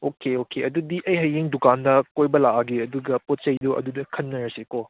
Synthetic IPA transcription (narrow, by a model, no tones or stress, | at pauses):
okeokeɐdudiʔɐjɦɐjeŋdukandɐkojbɐlaʔaɡeɐduɡɐpot̚t͡ʃɐjdoʔɐ̰dudɐkʰɐnːɐɾɐsekɔ